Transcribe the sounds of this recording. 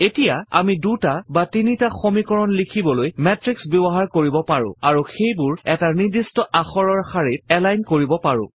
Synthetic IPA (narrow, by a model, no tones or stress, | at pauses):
etijaa̰midutabatinitaxomikɔɹɔnlikʰibɔlojmɛtɹiksbɛbɔɦaɹkoɹibɔpaɹʊ̰̃aɹuxejbʊɹɛtanidistɔʔaxɔɹɔɹxaɹit̚ɛlajnkoɹibɔpaɹʊ̰̃